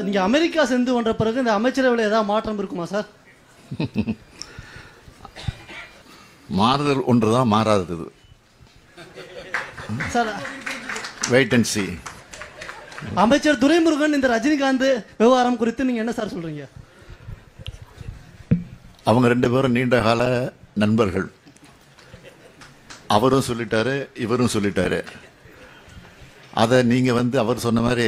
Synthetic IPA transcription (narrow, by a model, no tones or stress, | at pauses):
niːŋɡɐːmɛɾɪkːaːsɛnd̪ɯkɔndrɐpːɪɾɐɣɯɪnd̪ɐːmɐɪt͡ʃːɐɾɐʋɪɭeːðaːʋðɯmaːʈːrɐmɪɾɯkːɯmaːsaːɾ | maːɾɐðɐlʔɔndrɯðãːmaːɾaːðɐðɐðɯ̰ | saːɾ | ʋɛɪʈːɛnsi | ɐmɐɪt͡ʃːɐɾt̪ʊɾɐɪmʊɾɯɣɐnɪnd̪ɐɾɐd͡ʒɪnɡaːnd̪ɯʋɪʋaːɾɐmkʊɾɪt̪ːɯniːŋɡɐɛnːɐsaːɾsɔlːɾiːŋɡɐ | ɐʋɐŋɡɐɾɛɳɖɯpeːɾɐ̃niːɳɖɐɣaːlɐnɐnbɐɾɣɐɭ | ɐʋɐɾɯ̃msɔlːɪʈːaːɾɯɪʋɐɾɯmsɔlːɪʈːa̰ːɾɯ̰ | ʔɐ̰ðɐniːŋɡɐʋɐnd̪ɯɐʋɐɾɯsɔnːɐmaːd̪ɾi